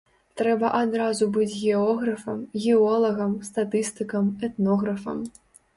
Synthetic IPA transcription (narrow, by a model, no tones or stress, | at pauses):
t̪ɾɛbɐʔad̪ɾazubɨd͡zʲɣʲɛɔɣɾɐfɐmɣʲɛɔlˠɐɣɐmst̪at̪ɨst̪ɨkɐmɛt̪nɔɣɾɐfɐ̰m